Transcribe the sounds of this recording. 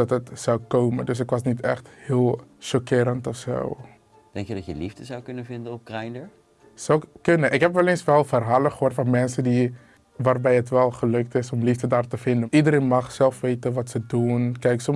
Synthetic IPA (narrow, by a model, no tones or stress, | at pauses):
dɑtətsawkoːməndøs̬ɪkʋɑsnitɛ̰χthɪːlˠʃɔkɪːɾəntɔfso̰w | d̥ɛŋkjədɑtjəlivdəzawkɵnəvɪndənɔp̚krɛjndəɹ | sowkønəʔɪkɦɛpʋɛlensʋɛlˠfərɦaːləχəɦoːɹrtfɑnmɛnsədi | ʋaːrbɛjətʋɛlˠχəløk̚tɪsɔmlifdədaːrtəfɪndəʔidəɾeːnmɑχsɛlˠfʋeːtənʋɑtsədunkɛjksɔm